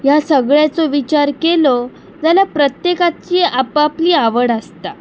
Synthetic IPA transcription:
jasəɡɭjat͡soʋit͡ɕaɾkelo | d͡zalapɾət̪jekat͡ɕiapapliːaʋəɽəst̪a

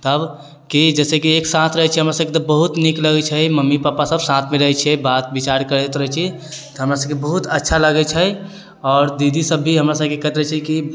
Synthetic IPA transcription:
t̪əb | kid͡ʒɛːsekieksãt̪ʰɾəɦɛt͡ʃʰɛɦəmɾasəb̚ket̪ɔbəɦut̪nikləɡɛt͡ʃʰɛməmːipapasəbsãt̪ʰmeɾəɦɛt͡ʃʰɛbat̪bit͡ʃaɾkəɾd̪et̪ɾəɦɛt͡ʃʰi | t̪ɔɦəmɾasəb̚kebəɦut̪ətːʃʰaləɡɛt͡ʃʰɛ | ɔːɾd̪id̪ʱisəbːʱiɦəmɾasəb̚kekəɦɛt̪ɾəɛt͡ʃʰɛki

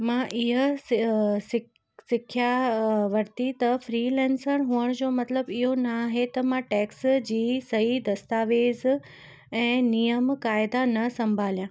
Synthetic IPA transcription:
mãʔɪɦə | sɪ | sɪkʰjaʋɐɾt̪it̪ɐfɾiːlɛ̃ːnsəɾɦuəɽ̃d͡ʑoːmɐt̪ləbiɦonaɦet̪ɐmãʈeːksd͡ʑiːsɐɦid̪ɐst̪aːʋeːz | ɛ̃ːnijəmkaːɪd̪anɐsɐ̃mbʱaːljãː

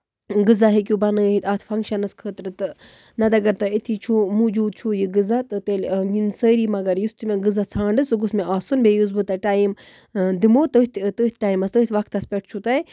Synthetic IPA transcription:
ɡɨzaɦik̬ʲubɐnəːɦit̪aːt̪ʰfʰɐŋɡʃɐnɐskʰəːt̪ɾɨt̪ɨ | nɐd̪ɐɡɐɾt̪ɐit̪ʰit͡ʃʰumud͡ʒuːd̪̚t͡ʃʰujiɡɨzat̪ɨt̪eːlʲɡinsəːɾiːmɐɡɐɾjust̪imẽɡɨzat͡sʰãːɳɖɨsuɡusmeʔaːsunbʱejuzbɨt̪ɐʈaːim | d̪imoːt̪ɨt̪ʰt̪əːt̪̚ʰʈaːimɐst̪ɨːit̪ʰʋɐk̚t̪ɐspʲeʈ̚ʰt͡ʃʰut̪ɐi

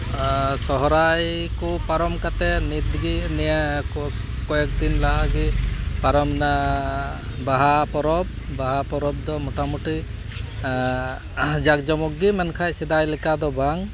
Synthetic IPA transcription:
sɔɦɔɾajkɔpaɾɔmkat̪ɛnit̪ɡinɛɛ | kɔjɛk̚d̪inlaɦaɡipaɾɔmna | baɦapɔɾɔb̚baɦapɔɾɔb̚d̪ɔmɔʈamuʈi | d͡ʒak̚d͡ʒɔmɔk̚ɡimankʰajsɛd̪ajlɛkad̪ɔbaŋ

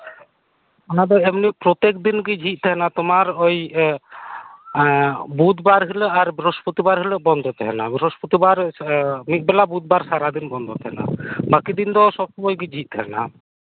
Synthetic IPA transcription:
ɔnad̪ɔɛmnipɾot̪ek̚d̪inɡid͡ʒʱit̪̚ˀt̪ʰɛɦɛnat̪ɔmaɾoj | but̪baɾɦiləaɾbiɾoʃpot̪ibaɾɦeləbɔnd̪ʱɔt̪ʰɛɦɛnabiɾoʃpot̪ibaɾmik̪̚bɛlabut̪̚baɾsaɾad̪inbɔnd̪ʱɔt̪ʰɛɦɛna̰bakid̪ind̪ɔʃɔb̚ʃɔmɔjɡid͡ʒʱit̪̚t̪ʰɛɦɛna̰

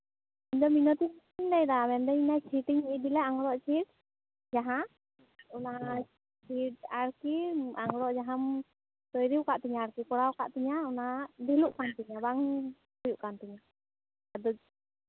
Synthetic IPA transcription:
iɲd̪ɔminɔt̪i | iɲd̪ajd̪amɛnd̪ɛinat͡ʃʰiʈiɲid̪ilɛaŋɽɔʔt͡ʃʰiʈ | d͡ʒaɦã | ɔna | t͡ʃʰiʈaɽkiaŋɡɽɔʔd͡ʒaɦam | t̪ɔjɾiwkaʔt̪iɲaːɽkikɔɽawka̰ʔt̪iɲaɔnad̪iluʔkant̪iɲabaŋ | hujuʔkant̪iɲa | ad̪u

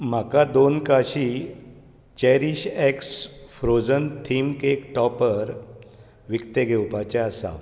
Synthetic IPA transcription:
m̤akad̪onkaɕi | t͡ɕɛɾiɕɛksfɾod͡zənt̪ʰimkekʈɔpəɾ | ʋikt̪eɡʱewpat͡ɕɛ̃əsa̰

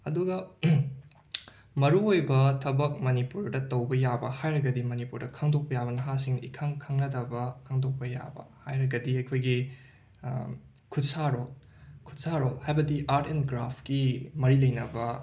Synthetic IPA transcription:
ɐduɡɐ | mɐɾuojbɐtʰɐbɐk̚mɐnipuɾdɐtɐwbɐjabɐhajɾɐɡɐdimɐnipuɾdɐkʰaŋdok̚pɐjabɐnɐɦasiŋḭkʰɐŋkʰɐŋlɐdɐbɐkʰaŋdok̚pɐja̰bɐ̰hajɾɐɡɐdiɐjkʰojɡi | kʰutsaɾol | kʰu̥t̚saɾolhajbɐdiʔaɾtenɡɾapʰkimɐɾilɐjnɐbɐ

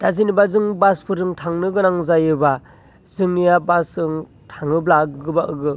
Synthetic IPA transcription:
d̥azinibazɯŋbaspʰɯɾɯŋtʰaŋnɯɡɯnaŋzajɯba | zɯŋnijabasɯŋ | tʰaŋɯblaɡɯbaʔɯɡɯ

